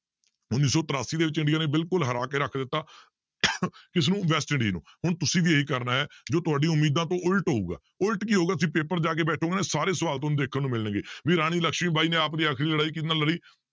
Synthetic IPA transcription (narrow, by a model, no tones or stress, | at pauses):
ʊnːiːsɔːt̪əɾaːsiːd̪eːʋɪt͡ʃɪ̃ɳɖɪijãːneːbɪlkʊlɦəɾaːkeːɾəkʰd̪ɪt̪ːaː | kɪs̬nũːʋɛːsʈɪɳɖḭːnṵ̃ːhʊɳt̪ʊsĩːd̪iːeiːkəɾnaːɦɛːd͡ʒoːt̪ʊaːɖĩʊmːiːd̪ãːt̪õːʔʊlʈɦoːṵːɡa̰ː | ʊlʈkiːɦoːɡaːt̪ʊsĩːpeːpəɾd͡ʒaːk̬eːbɛːʈʰõːɡeːnesaːɾeːsəʋaːlt̪õːnũːd̪eːkʰənːũːmɪlənɡeːʋiːɾaːɽ̃iːləkʃmiːbaːiːnẽːaːpd̪iːaːkʰɾiːləɽaːiːk̬it̪naːləɾiː